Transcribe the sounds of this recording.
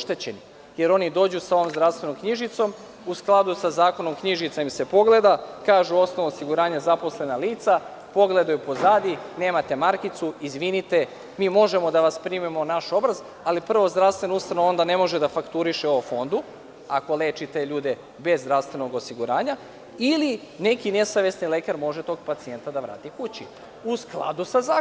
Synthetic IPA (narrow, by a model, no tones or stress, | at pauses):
ʃt̪e̞t͡ɕe̞ni | je̞ɾo̞nid̪o̞ːd͡ʑusao̞ʋo̞mzd̪ɾaʋst̪ʋe̞no̞mkɲiʒit̪so̞m | usklˠad̪usazaːko̞no̞mkɲiʒit̪saimse̞po̞ɡle̞d̪akaːʒuo̞sno̞ʋoosiɡuɾaːɲazapo̞sle̞naliːt̪sa | po̞ɡle̞d̪ajupo̞zaːd̪ine̞ːmat̪e̞maɾkit̪suizʋinit̪e̞ | miːmo̞ʒe̞mo̞d̪aʋaspɾiːmimo̞naʃo̞bɾaz | alipr̩ʋo̞zd̪ɾaʋst̪ʋe̞noust̪anoo̞nd̪ane̞mo̞ʒe̞d̪afakt̪uɾiʃeoofo̞nd̪u | ako̞le̞ːt͡ʃit̪e̞ʎuːd̪e | be̞zːd̪ɾaʋst̪ʋe̞no̞ɡo̞siɡuɾaːɲa | ili | ne̞kine̞saʋe̞snile̞kaɾmo̞ʒe̞t̪o̞ːɡpat̪sie̞nt̪ad̪aʋɾa̰ːt̪ikut͡ɕi | usklˠa̰d̪usazaː